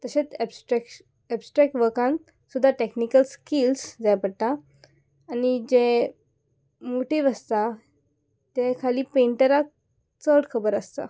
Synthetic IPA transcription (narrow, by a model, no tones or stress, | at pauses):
t̪əɕet͡sɛbsʈɾɛk | ɛbsʈɾɛk̚ʈʋəɾkãn | sud̪ʱːaʈeknikəlskilsd͡ʑajpəɽt̪aː | nid͡ʑe | moʈiʋəst̪a | t̪ekʰaliːpeɳʈəɾak̚ | t͡səɽkʰəbəɾəst̪a̰